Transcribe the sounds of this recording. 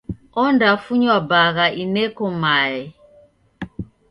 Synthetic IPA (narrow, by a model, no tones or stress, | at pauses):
ɔndafuɲwabaɣaʔinɛkɔmaɛ